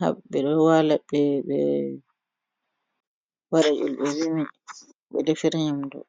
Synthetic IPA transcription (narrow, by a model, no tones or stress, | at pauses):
ha̰ɓɓɛɗɔwalaɓɛɓɛ | waɾajṵlɓɛwimi | ɓɛ̰dɛfiɾɲamdɔ̰